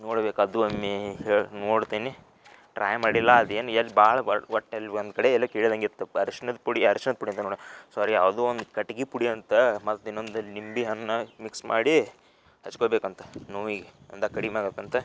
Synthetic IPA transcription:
noːɽbeːkɐd̪uɐmːeɦeːnoːɽt̪iːni | ʈɾa̰ːjmaːɽilːɐɐd̪eːnɐlːibaːɭɐʋɐʈːelːond̪kɐɽeɛlːɐkeːɭid̪ɐŋɡit̪ːuɐɾuʂɐnɐd̪puɽiɐɾuʂɐnɐd̪̚puɽiɐnt̪ɐnoɽsaːɾiɐʋd̪uond̪kɐʈiɡipuɽiɐnt̪ɐmɐt̪ːinːoːnd̪unimbiɦɐnːɐmiksma̰ːɽi | hɐt͡ʃːkoːbeːkɐnt̪ɐ̥noʋiːɡeɐnd̪ɐkɐɽimaːɡekɐnt̪ɐ

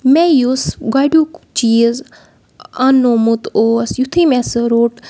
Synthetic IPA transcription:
mejusɡaɖukt͡ʃiːəz | ɐnːomut̪oːɐsjut̪ʰimɛsɾoːʈ

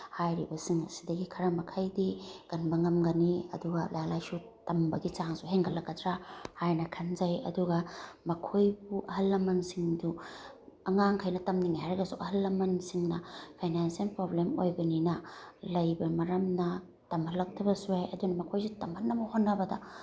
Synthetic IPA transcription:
hajɾibɐsiŋɐsidɐɡikʰɐɾɐmɐkʰajdiɡ̥ɐnbɐŋɐmɡɐniɐ̰duɡɐlajalajsu | tɐmbɐɡit͡ʃaŋsuɦeŋkʰɐlːɐkːɐtɾahajnɐkʰɐnzɐjɐ̰duɡɐmɐkʰojbuʔɐhɐlːɐmɐnsiŋdu | ɐŋaŋkʰajnɐtɐmniŋhajɾɐɡɐsuʔɐhɐlːɐmɐnsiŋnɐpʰajnanselpɾoblemojbɐninɐlɐjbɐmɐɾɐmnɐ | tɐmɐlɐk̚tʰɐbɐsuajɐdunɐmɐkʰojsutɐmbʱɐnːɐmɐhonːɐbɐdɐ̰

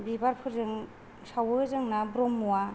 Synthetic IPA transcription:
bibaɾpʰɯɾzɯŋ | sawɯzɯŋnabɾɔmːuwa

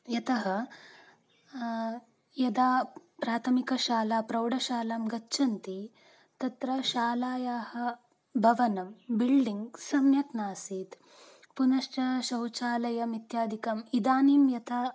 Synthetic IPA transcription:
jɐt̪ɐɦɐ̆ | jɐd̪aːpɾaːt̪ʰɐmikɐʃaːlaːpɾɐwɽɐʃaːlaːmɡɐt͡ʃːʃʰɐnt̪i | t̪ɐt̪ɾɐʃaːlaːjaːhɐ̆ | bʱɐʋɐnɐmbilɖiŋɡsɐmjɐknaːsiːt̪ | punɐʃʈɐʃɐwt͡ʃaːlɐjɐmit̪jaːd̪ʱikɐmid̪aːniːmjɐt̪ʰa

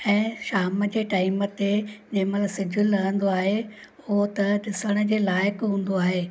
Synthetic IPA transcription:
ɛ̃ːʃaːməd͡ʑeːʈaːimət̪ed͡ʑɐ̃ɦɪ̃maləsɪd͡ʑʱʊlɐɦə̃nd̪oaːɦe | ʊɦot̪ɐɗɪsəɽ̃ə̆d͡ʑeːlaːɪkɦũːn̆d̪oaːɦeː

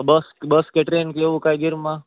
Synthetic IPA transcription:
bəsbəskeʈɾeːnkeʋukajɡɪɾmã

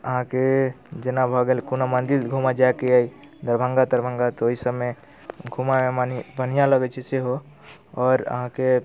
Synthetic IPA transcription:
əɦãke | d͡ʒenabʱɔɡelkunamə̃nd̪ilɡʱumad͡ʒaekeai | d̪əɾbʱə̃ŋɡad̪əɾbʱə̃ŋɡat̪ooɦisəbme | ɡʱumamemnibən̤ijãləɡɛt͡ʃʰɛseɦo | ɔːɾə̰ɦãke

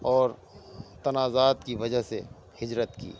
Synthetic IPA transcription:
ɔːɾ | t̪ɐnaːzaːt̪kiʋɐd͡ʒəɦse | hɪd͡ʒɾət̪kḭː

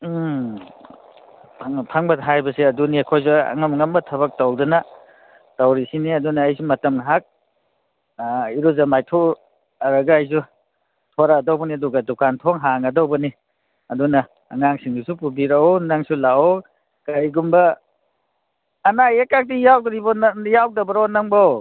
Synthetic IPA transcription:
pʰaŋpʰaŋbɐtɦajbɐsiɐduniɐkʰojzuɐ̰ŋɐmŋɐmbɐtʰɐβɐk̚tawdunɐ | tawɾisiniɐdunɐːjsumɐtɐmɦak̚ | iɾuzɐmajtʰo | ɐɾɐɡaːjzu | tʰoɾadawbɐniɐduɡɐdukantʰoŋɦaŋɐdowbɐni | ɐdunɐː | ŋaŋsiŋdisupubiɾaɔnaŋsulaɔw | kajɡumbɐ | najekak̚dijawdɾibɔnjaw̚dɐbɐɾonɐŋbaw

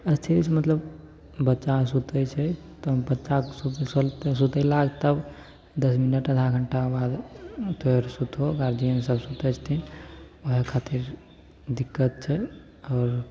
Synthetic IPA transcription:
əst̪ʰit̪it͡ʃʰmət̪ləb | bətːʃasut̪ət͡ʃʰɛ | t̪bətːʃasusolt̪sut̪əlaɡt̪əb | d̪əsminəʈːəd̪ʱʰaɡʱəɳʈabad̪t̪oɦeɾsut̪ɦoɡaɾd͡ʒiənsəbsut̪ət͡ʃʰt̪ʰin | oɦekʰat̪iɾ | d̪ikːət̪̚t͡ʃʰɛ | ɔːɾ

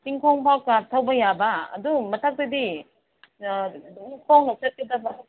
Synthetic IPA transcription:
tiŋkʰoŋpʰawkaɾ̚tʰawbɐjabɐɐ̰dumɐtʰak̚tɐdi | kʰoŋlok̚t͡ʃɐt̚kedɐbɐ

